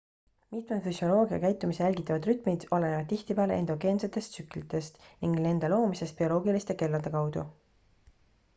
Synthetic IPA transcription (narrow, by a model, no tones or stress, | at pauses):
mit̪med̪fysjo̞lo̞ːɡiɑ̰kæjt̪ːˑumisejælʲɡit̪ːˑɑvɑd̪ryt̪ˑmid̪̥o̞leɑd̪t̪ːiht̪ipeɑleend̪̥o̞ɡ̥e̞ːnse̞t̪ːˑe̞st̪syklit̪ˑe̞st̪niŋɡ̥ne̞nd̪̥elo̞ːmise̞st̪̚pio̞lo̞ːɡilist̪e̞ke̞lːɑd̪̥e̞kɑwd̪̥u